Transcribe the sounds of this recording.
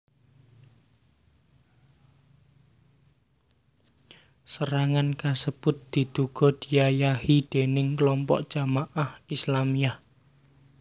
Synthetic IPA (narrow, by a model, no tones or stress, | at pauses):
səɾaŋankasəb̥ʊt̪̚d̪̥i̤d̪̥uɡ̥ɔ̤d̪̥ijajahid̪̥enɪŋklɔmpɔ̰ʔd̥ʒ̥a̤maʔahislamiah